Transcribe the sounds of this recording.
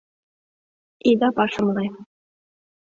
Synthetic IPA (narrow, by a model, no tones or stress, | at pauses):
id̪ɑpɑʃɤ̆mlˠɑj